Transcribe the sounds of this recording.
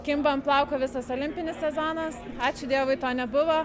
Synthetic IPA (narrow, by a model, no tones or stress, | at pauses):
kʲɪmbɐmplˠɑʊkoːʋʲɪsɐsolʲɪmʲpʲɪnʲɪssʲɛzoːnɐs | ɑːt͡ʃʲʊd̪ʲiɛʋʊɪt̪oːnʲɛbʊʋoː